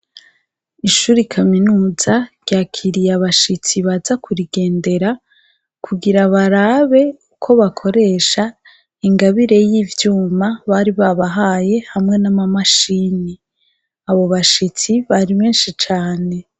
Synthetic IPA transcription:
iʃuːɾikʰaminuːzaɾɟaːkʰiɾijaβaʃit͡siβazakuɾiɡe̞ːnde̞ɾa | kʰuɡiɾaβaɾaβe̞ukʰo̞βakʰo̞ɾe̞ːʃa | iŋɡaβiɾe̞jiːvjuːmaβaɾiβaβaɦaje̞hamŋe̞namamaʃiːni | aβo̞βaʃit͡siβaɾiβe̞ːnʃit͡ʃaːne̞

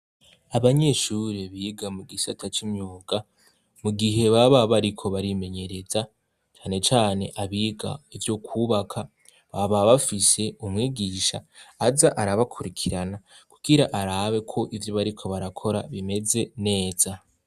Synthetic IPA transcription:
aβaɲe̞ʃuɾeβiːɡamuɡisatʰat͡ʃimɲuːɡa | muɡiɦe̞βaβaβaɾikʰo̞βaɾime̞ɲe̞ɾe̞za | t͡ʃaːne̞t͡ʃaːne̞ʔaβiːɡa̰ivjo̞kʰuβakʰa | βaβaβafise̞umŋiːɡiːʃa̰ːzaʔaɾaβakʰuɾikʰiɾanaku̥ɡ̥iɾaʔaɾaβe̞kʰo̞ʔivjoβaɾikʰo̞βaɾakʰo̞ɾa̰βime̞ze̞ne̞ːz̥a

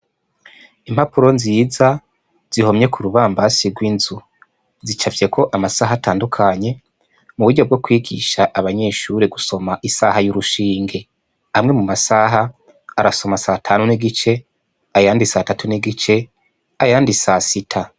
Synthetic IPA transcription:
imhapuɾo̞nziːza | z̥iho̞mɲe̞kʰuɾuβaːmbasiɡwinzu | zit͡ʃavje̞kʰo̞ʔamasaːɦataːndukʰaɲe̞ | muβuɾɟo̞b̚ɡo̞kwiːɡḭʃaʔaβaɲe̞ːʃuɾeɡuso̞maʔisaːhajuɾuʃiːŋɡe̞ | amŋe̞mumasaɦaː | ɾaso̞masatʰaːnuniɡit͡ʃe̞ | ajaːndisatatuniɡit͡ʃe̞ | ajaːndisasitʰa

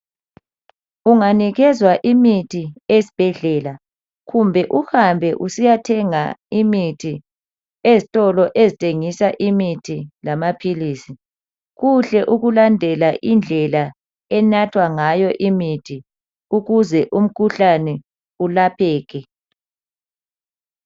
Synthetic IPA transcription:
uŋaniɣɛzwaʔimitʰiesi̥b̥ʱɛɮɛːla | ɣumbʱɛʔuhambʱɛʔusijatʰɛŋa̰imitʰi | ezitʼɔlɔʔezitʼʰeŋisaʔimitʰilamapʰiliːsi | ɣuɬɛʔuɣulandʱɛlaʔind͡ɮʱɛla | ɛnatʰwaŋajɔʔimitʰi | uɣuzɛʔum̩kʰuɬanɛ | ulapʰɛːɣɛ

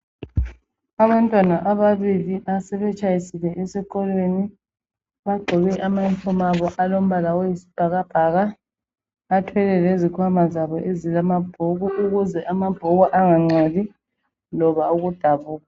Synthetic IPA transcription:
aβantʼwanaʔaβaβiliʔasɛβɛt͡ʃʼajisilɛʔɛsɛkɔlweni | βaɡ͡ǃʱɔβɛʔamainfʰɔmaβɔʔalom̩βalawejisi̥b̥ʱaɣab̥ʱaɣaː | tʰwɛlɛlezikʰwamazaβɔʔezilamab̥ʱoɣuuɣuzɛʔamab̥ʱoɣuʔaŋaŋ͡ǀoði | lɔβauɣud̥ʱaβuːɣa

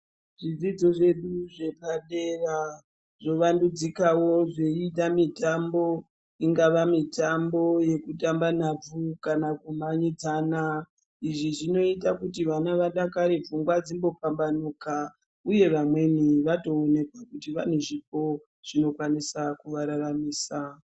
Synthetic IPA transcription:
ʐid͡zid͡zo̞ʐe̞ɗuʐe̞baɗera | ʐo̞ʋandud͡zikawo̞ʐeiɗamitambo̞ | iŋɡaʋamitambo̞je̞kutambanab͡vukanakumaɲid͡zaːna | iʐiʐino̞itakutiʋanaʋaɗakaɾevuŋɡwad͡zimbo̞fambanuka | uje̞ʋamwe̞niʋato̞ːne̞kwakutiʋaneʐipo̞ | ʐ̥ino̞kwanisakuʋaɾaramiːsa

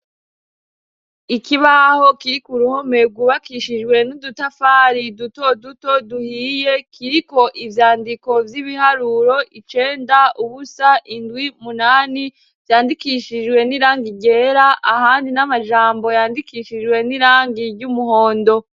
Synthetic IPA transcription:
ikiβaho̞kiɾikuɾuho̞me̞ɡuβakiʃid͡ʒwe̞nudutafaːɾiduto̞duto̞duhiːje̞kʰiɾiko̞ʔivjaːndiko̞vjiβiɦaɾuɾo̞ʔit͡ʃe̞ːndauβusaʔindwimunaːni | vjaːndikiʃid͡ʒwe̞niɾaːŋɡiɟe̞ːɾaʔahaːndinamaʒaːmbo̞jaːndikiːʃid͡ʒwe̞niɾaːŋɡiɾɟumuho̞ːndo̞

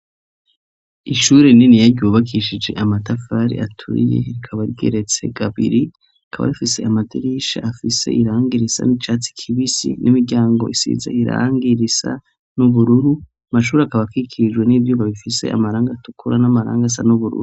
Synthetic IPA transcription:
iʃuːɾeninijaɾɟuːβakʰiʃid͡ʒe̞̰ʔamatafaɾḭʔatʰṵɾḭjḛɾikʰaβaɾiɡḛɾe̞t͡se̞̰ɡaβḭɾi | akʰaβa̰ifise̞amadiɾiʃa̰afise̞̰ʔiɾaːŋɡiɾisa̰nit͡ʃaːt͡si̥kʰiβisḭnʔimiɾɟaːŋɡo̞isḭːza̰iɾa̰ːŋɡiɾisa̰ | nuβuɾuɾu | amaʃ̬uːɾakaβakikʰiɾid͡ʒɡwe̞nivjuːβaβifisea̰maɾaːŋɡatu̥kʰuɾanamaɾa̰ːŋɡas̬a̰nuβuɾṵɾu

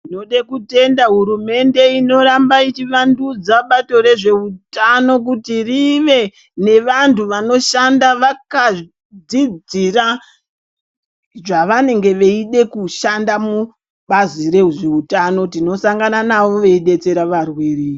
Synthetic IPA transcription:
ino̞ɗekute̞ndaɦuɾume̞nde̞ino̞ɾambait͡ʃiʋandud͡zaɓato̞ɾe̞ʐe̞utano̞k̬utiriʋe̞ | ne̞ʋantʰuʋano̞ʃandaʋaka | d͡zid͡zira | ʐaʋane̞ŋɡe̞ʋe̞iɗe̞kuʃandamu | ɓazire̞uʐe̞utano̞tino̞saŋɡananaʋo̞ʋe̞iɗe̞t͡se̞ɾaʋarwiːri

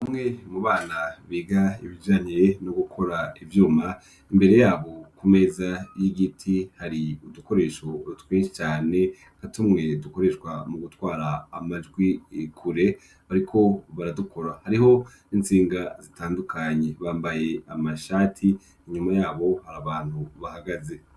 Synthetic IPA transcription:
amŋe̞muβaːnaβiːɡaiβid͡ʒaːɲienoɡukʰo̞ɾaivjuːma | imbe̞ɾe̞jaːβo̞kume̞zajiɡitʰihaɾiuduko̞ɾe̞ʃoɾutwit͡ʃaːne̞ | katumŋe̞duko̞ɾe̞ʃwamuɡutwaːɾaːmad͡ʒɡwikʰuɾe̞ | βaɾikʰo̞βaɾadukʰo̞ɾahaɾiɦo̞ | int͡siːŋɡazitaːndukʰaɲe̞βaːmbaje̞amaʃaːtʰiː | ɲumajaːβo̞haɾaβaːn̥huβahaɡaze̞

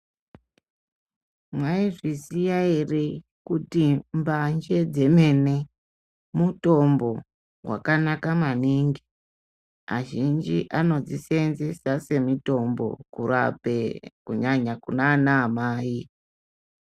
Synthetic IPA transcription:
mwaiʐisijaire | kutimband͡ʒe̞d͡ze̞me̞ne̞ | muto̞mbo̞ | wa̰kanakamaniːŋɡi | aʒind͡ʒiʔano̞d͡zisenzesase̞mito̞mbo̞̰kuɾa̰pekuɲaɲakunaːnaːmaːi

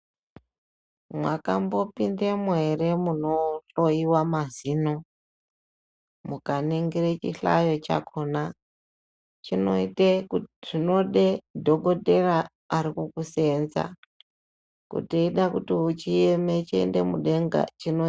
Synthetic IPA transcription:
mwaka̰mbo̞pindemuwere̞muno̞ɬo̞iwamazino | kmukaniŋɡiɾet͡ʃiɬa̰jo̞t͡ʃa̰kʰona | t͡ʃinoiteʐino̞ɗedʱo̞ɡo̞te̞raː | ɾikukuse̞nza̰ | kṵteiɗakutiut͡ʃijemet͡ʃḛnde̞muɗeŋɡa̰t͡ʃino

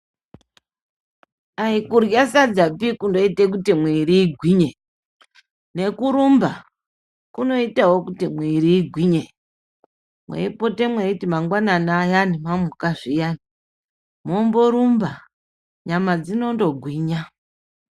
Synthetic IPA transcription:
aikurjasad͡zapikundo̞itek̬utimwiɾiːɡʱwiɲe | ne̞kuɾumba | kuno̞itawokutimwiɾiːɡʱwiɲe | mwḛipo̞te̞mweitimaŋɡwananaːjanimamukaʐijani | momboɾumba | ɲamad͡zinondo̞ɡʱwiːɲa

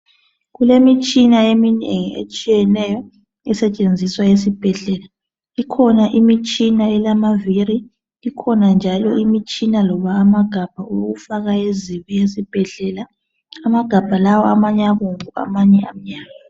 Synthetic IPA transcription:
ɣulemit͡ʃʼinaemineŋiḛt͡ʃʼijɛnɛjɔ | ɛsɛt͡ʃʼend͡zʱiswajesib̥ʱɛɮɛla | ikʰɔnaʔimit͡ʃʼinaɛlamaviɾi | ikʰɔnand͡ʒʱalɔimit͡ʃʼinalɔβaːmaɡ̥ʱab̥ʱauɣufaɣaeziβijesib̥ʱɛɮɛlaː | maɡ̥ʱab̥ʱalawɔamaɲɛaɣoŋua̰maɲɛam̩ɲaːɣa

